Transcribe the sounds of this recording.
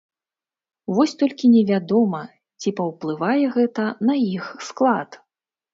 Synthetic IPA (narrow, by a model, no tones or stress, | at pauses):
vɔsʲt̪ɔlʲkʲinʲɛvʲad̪ɔmɐ | t͡sʲipɐwplˠɨvajɛɣɛt̪ɐnɐixsklˠat̪